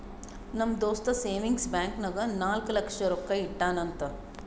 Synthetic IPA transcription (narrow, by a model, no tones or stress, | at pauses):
nɐmd̪oːst̪ɐseːʋiŋɡsbaːŋknɐɡɐnaːlklɐkʂɐɾokːɐiʈːaːnɐnt̪ɐ